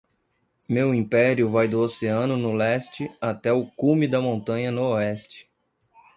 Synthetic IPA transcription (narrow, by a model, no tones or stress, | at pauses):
mewĩpɛɾjʊvajd̪ʊoseɐ̃nʊnʊlɛst͡ʃɪat̪ɛʊkũmɪd̪ɐmõnt̪ɐ̃ɲɐnʊoɛst͡ʃɪ̥